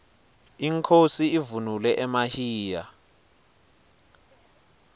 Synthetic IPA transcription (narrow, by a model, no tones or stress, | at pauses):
iŋkʰosiivunulɛʔɛmahiːja